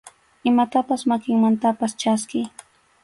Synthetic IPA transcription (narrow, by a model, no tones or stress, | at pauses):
ɪmat̪apasmakɪŋmant̪apast͡ʃaskɪj